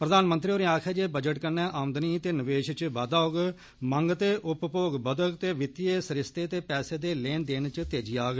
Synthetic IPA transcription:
pɾəd̪aːnmənt̪ɾiːoːɾĩaːkʰɛːd͡ʒeːbəd͡ʒəʈkənːɛːʔaːmd̪niːt̪eːnəʋeːʃt͡ʃbaːd̪aːoɡ | məŋɡt̪eːʔʊppoːɡbəd̪əɡt̪eːʋɪt̪ieːsəɾɪst̪eːt̪eːpɛːseːd̪eːleːnd̪eːnt͡ʃt̪eːd͡ʒiːaːɡ

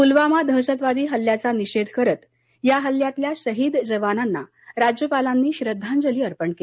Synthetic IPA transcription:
pulʋamad̪ʱəɕət̪ʋad̪iːɦəlːjat͡saniɕed̪ʱkəɾət̪ | jaɦəlːjat̪ljaɕəɦiːd̪d͡zəʋananːa̰ | ɾad͡ʑjəpalanːiːɕɾəd̪ʱːãnd͡zəliːəɾpəɳkeli

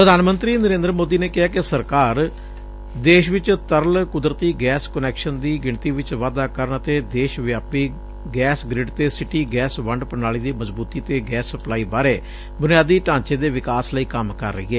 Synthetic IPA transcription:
ppɾəd̪aːnmənt̪ɾiːnəɾẽːnd̪ɾəmoːd̪iːneːkɪɦaːkɪsəɾkaːɾ | d̪eːʃʋɪt͡ʃt̪əɾəlkʊd̪ɾət̪iːɡɛːskənɛːkʃənd̪iːɡɪɳt̪iːʋɪt͡ʃʋaːd̪aːkəɾəɳət̪eːd̪eːʃʋjaːpiː | ɡɛːsɡɾɪɖt̪eːsɪʈiːɡɛːsʋəɳɖpənaːɭiːd̪iːməzbuːt̪iːt̪eːɡɛːsːəplaːiːbaːɾeː | bʊnijaːd̪iːʈãːɲt͡ʃeːd̪eːʋɪkaːsləiːkəmkə̰ɾːə̰ḭːɛː

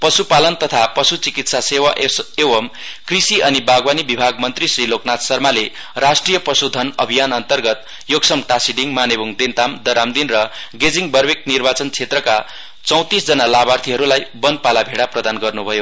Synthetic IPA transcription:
pʌsupalʌnt̪ʌt̪ʰapʌsut͡sikit̪sasewaʔeseʌmkrisiʌnibaɡwanibibʱaɡmʌnt̪risriloknat̪sʌrmale | rasʈrijʌprʌsud̪ʱʌnʌ̰bʱijanʌnt̪ʌrɡʌt̪ | joksʌmʈasiɖiŋmanebuŋd̪ent̪amd̪ʌɾamd̪inrʌɡed͡ziŋbʌrbek̪̚nirbat͡sʌnt͡sʰet̪rʌka | t͡sʌ̃w̃t̪isd͡zʌnalabart̪ʰiɦʌɾulajbʌnpalabʱeɽaprʌd̪anɡʌrnubʱʌjo

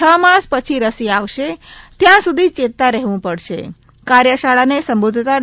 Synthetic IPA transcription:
əmãspət͡ʃʰiɾəsiaʋʃet̪jãsud̪ʱit͡ʃet̪ːaɾɛɦʋũpəɽʃḛ | kaɾjəʃaɭanesəmbod̪ʱt̪a

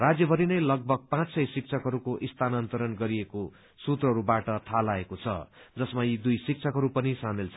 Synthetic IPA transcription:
rad͡zjʌbʱʌɾinʌjlʌɡ̚bʱʌɡ̚pãt͡ssʌjsik̚t͡sʰʌkɦʌɾukoʔist̪ʰanant̪ʌɾʌnɡʌɾieko | sut̪rʌɦʌɾubaʈʌt̪ʰalaekot͡sʰʌ̰d͡zʌsmaid̪ujsik̚t͡sʰʌkɦʌɾupʌnisamilt͡sʰʌ

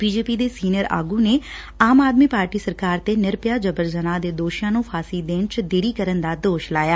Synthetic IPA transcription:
biːd͡ʒeːpiːd̪eːsiːnəɾa̰ːɡũːneː | aːmaːd̪miːpaːɾʈiːsəɾkaːɾt̪eːnɪɾpjaːd͡ʒəbəɾzənãːd̪eːd̪oːʃãːnũːpʰaːsiːd̪eːnt͡ʃd̪eːɾiːkəɾənd̪aːd̪oːʃlaːjaː

